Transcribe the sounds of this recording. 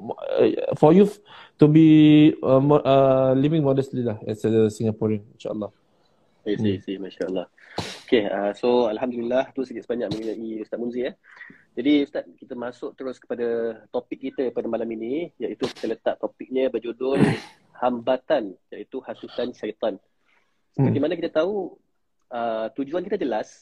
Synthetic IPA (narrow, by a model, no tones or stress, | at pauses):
fɔju | t̪ubi | ʔəlivɪ̃ŋmɔdəslilahɛsədəsiŋapɔɹəninʃa̰ə̰lːɑh | esisihmaʃaʔəlːɑh | okeasoalɦamd̪uliilaht̪usəkɪt̪səbaɲak̚mə̃ninaʔiust̪at̪̚munziah | d͡ʒadiust̪at̪̚kit̪əmasʊk̚t̪əɾʊskə̥padat̪opɪkːit̪əpadamalaminijaʔit̪uki̥t̪ələt̪aʔt̪opɪk̚ɲə̃bəd͡ʒodʊn | hambat̪anjaʔit̪uhasusanʃait̪an | səpərt̪imanak̬it̪ət̪au | ət̪ud͡ʒuankit̪əd͡ʒəlas